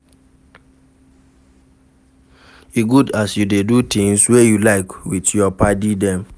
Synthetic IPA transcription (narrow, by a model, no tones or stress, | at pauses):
iɡudasjudedutʰĩŋswejulaɪkwitjɔpadidɛ̃m